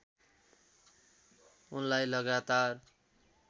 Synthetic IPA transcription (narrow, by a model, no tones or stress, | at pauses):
unlajlʌɡat̪ar